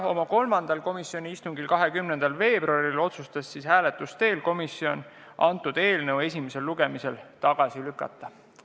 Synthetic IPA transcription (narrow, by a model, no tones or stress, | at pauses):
o̞mɑko̞lmɑnd̪̥ɑlko̞misio̞nʲiist̪uŋɡilkɑɦe̞kymnend̪̥ɑlve̞ːb̥ruɑɾilo̞t̪sust̪ɑsːishæːle̞t̪ːˑust̪e̞ːlko̞misːio̞n | ʔɑnt̪ːˑud̪̥e̞ːlnɤwe̞s̬ʲime̞se̞lːuɡ̥e̞mise̞lt̪ɑɡ̥ɑsilykːˑɑ̰t̪ːˑɑ